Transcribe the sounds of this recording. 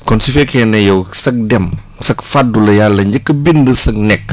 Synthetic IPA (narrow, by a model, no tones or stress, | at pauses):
kɔnsifɛkʰɛnɐjɐwsɐk̚dɛm | sɐk̚fadːulɐjalːɐɲd͡ʒəkːɐbindəsɐk̚nɛk